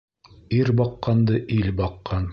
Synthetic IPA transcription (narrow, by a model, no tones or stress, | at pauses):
iɾbɑqːɑnd̪ɤʔilbɑqːɑn